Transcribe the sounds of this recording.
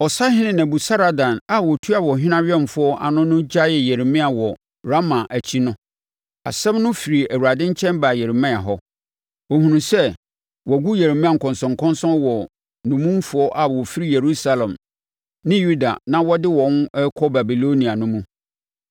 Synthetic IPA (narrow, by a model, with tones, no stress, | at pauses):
ɔ˨sa˦hɪ̃˦nɪ̃˦nã˨bu˨sa˦ɾa˨dã˨na˨wɔ˨tʰu˦a˨wɔ˨ɦɪ̃˦nã˦ɥᶣɛ˦˨m˨fʊ˨˦ɔ˦ʔa̰˨nʊ̃˦nʊ̃˦d͡ʑa˦jɛ˨jɛ˨ɾi˨mɪ̃˦a˨wɔ˨ | ɾa˦mã˨ʔæ˨t͡ɕʰi˦nʊ̃˦ | a̰˨sɛ̃˦mnʊ̃˦fi˨ɾi˨æ˨wu˨ɾa˨dɪ̃˦ɲ̩˦t͡ɕʰɛ̃˦mba˨jɛ˨ɾi˨mɛ̃˦˨a˨ɦɔ˦ | o˨hũ˨nũ˨sɛ˦ | wɔ˨ɡu˦jɛ˨ɾi˨mɪ̃˦a˨ŋ̩˨kʰɔ̃˨nsɔ̃˨ŋ˨kʰɔ̃˦nsɔ̃˦wɔ˨ | nʊ̃˨mũ˦m˦fʊ˦ɔ˦ʔa˨wɔ˨fi˦ɾi˦je˨ɾu˦sa˦lɛ̃˨m | nɪ̃˦ju˦da̰˨nã˦wɔ˦dɪ˦wɔ̃˨˦nɛ˦kʰɔ˦ba˨bi˨lo˦nĩ˨a˨nʊ̃˦mũ˦